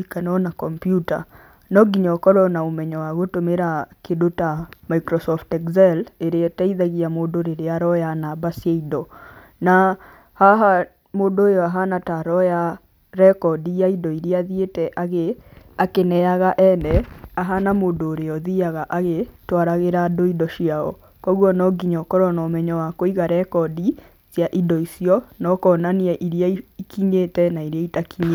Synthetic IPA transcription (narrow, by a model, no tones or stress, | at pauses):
ikanɔnakɔmpjuta̰ | nɔɡiɲɔkɔɾɔnaomɛɲɔwaɣotomeɾakedotamaikɾɔsɔftɛkzɛleɾetaiðaɣiamoːdoɾeɾeaɾɔjanabasaidɔ | na | haɦa | moːdoːjɔaɦanataɾɔja | ɾɛkɔdijaidɔiɾiaðietɛʔaɣeakenɛaɣaʔɛnɛaɦanamoːndoːɾeɔðiaɣaʔaɣetwaɾaɣeɾadoidɔʃiaɔ̰ | kɔɣwɔnɔɡiɲɔkɔɾɔnɔmɛɲɔwakoiɣaɾɛkɔdi | zjaʔidɔisiɔnɔkɔnaniɛʔiɾiaiikiɲetɛnaiɾeaitakiɲe